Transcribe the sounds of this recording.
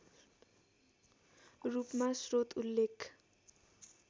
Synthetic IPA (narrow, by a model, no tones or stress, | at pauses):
rupmasrot̪ulːekʰ